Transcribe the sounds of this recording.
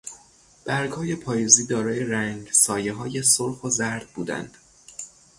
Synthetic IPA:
b̥æɾɡhɒːje̞pʰɒːjeziːd̪ɒːɾɒːje̞ɾæŋɡsɒːje̞ɦɒːje̞soɾxozæɾd̪̚buːd̪æ̰nd̪̥

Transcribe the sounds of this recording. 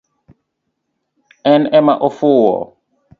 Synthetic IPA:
ɛnɛmaʔɔfuwɔ̰

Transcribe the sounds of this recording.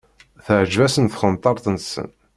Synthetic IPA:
θəʕʒd͡ʒvæsənθχənt̪ˤɑɾˤt̪ˤənsə̰n

